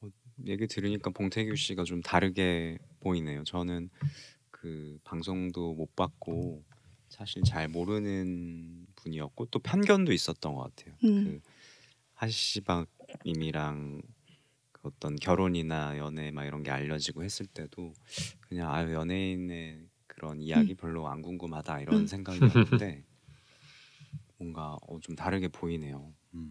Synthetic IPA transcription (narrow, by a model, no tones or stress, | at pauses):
ʌje̞ɡitɯɾiɲik͈apoŋtʰe̞ɡjuɕ͈iɡat͡ɕomtaɾɯɡe̞poine̞jot͡ɕʌnɯn | kɯpaŋsʰoŋdomop͈ak̚k͈o | sʰaɕʰiɭt͡ɕaɭmoɾɯnɯnpuɲiʌk̚k͈ot͈opʰjʌnɡjʌndois͈ʌt̚t͈ʌnɡʌk͈a̰tʰe̞jokɯ | haɕibaɡ̚imiɾaŋ | kɯʌt͈ʌnkjʌɾoɲinajʌne̞maɡiɾʌnɡe̞̰aʎːʌd͡ʑiɡohe̞s͈ɯɭt͈e̞dokɯɲaŋajjʌne̞ine̞ | kɯɾʔʌnijaɡipjaɭːoa̰nɡuŋɡumhadaiɾʌnsʰe̞ŋɡaɡide̞ | mʌŋɡaʌ̰t͡ɕomtaɾɯɡe̞poine̞jo